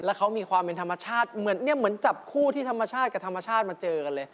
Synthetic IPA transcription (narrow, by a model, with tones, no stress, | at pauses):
lɛ˦˥wkʰa˦˥wmiː˧kʰwaː˧mpe˧nt̪ʰa˧mːa˧˦t͡ɕʰaː˥˩t̪̚mɯ˩˦ənːi˥˩ɐmɯ˩˦ənt͡ɕa˨˩p̚kʰuː˥˩t̪ʰiː˥˩t̪ʰa˧ma˧t͡ɕʰaː˥˩t̪̚ka˨˩t̪ʰmːa˧t͡ɕʰaː˥˩t̪̚maː˧t͡ɕɤː˧ka˧nlɤː˧j